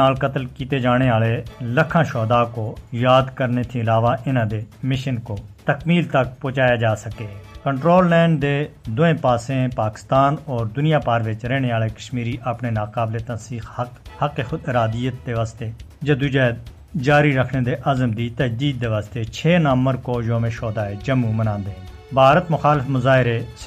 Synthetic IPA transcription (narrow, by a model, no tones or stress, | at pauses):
aːlkət̪əlkiːt̪eːd͡ʒaːɽ̃eːaːleːləkʰãːʃɔːd̪aːkoːjaːd̪kəɾneːt̪ʰĩːlaːʋaːʔɪnãːd̪eːmɪʃənkoːt̪əkmiːlt̪ək̚poːt͡ʃaːjaːd͡ʒaːsəkeːkəɳʈɾoːlːɛ̃ːɳɖd̪eːd̪ʊẽːpaːsẽːpaːkɪ̥st̪aːnɔːɾd̪ʊnɪjaːpaːɾʋɪt͡ʃɾɛːɽ̃eːaːleːkəʃmiːɾiːʔapneːnaːkaːbleːt̪ənsiːxhhəkeːxʊd̪ɪɾaːd̪ijət̪̚d̪eːʋaːst̪eːd͡ʒaːd̪ʊd͡ʒeː | d͡ʒaːɾiɾəkʰneːd̪eːʔəzəmd̪iːt̪əd͡ʒd̪iːd̪̚ːeːʋaːst̪eːt͡ʃʰeːnəmːəɾkoːd͡ʒoːmẽːʃɔːd̪aːed͡ʒəmːũːmənãːnd̪eːɦ | bʱaːɾət̪mʊxaːlɪfmʊzaːɦɪɾeːs